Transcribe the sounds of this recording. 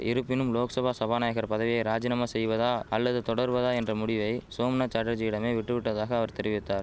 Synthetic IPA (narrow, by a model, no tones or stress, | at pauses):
ɪɾɯpːɪnɯmloːksɐbʱaːsɐbaːnaːjɐɣɐɾpɐðɐʋɪjɐɪɾaːd͡ʒɪnɐmaːsɛjʋɐðaːɐlːɐðɯt̪ɔɽɐɾʋɐðaːɛndrɐmʊɽɪʋɐɪsoːmnaːt͡ʃaʈɐɾd͡ʒɪɪɽɐmeːʋɪʈːɯʋɪʈːɐðaːɣɐːʋɐɾt̪ɛɾɪʋɪt̪ːaːɾ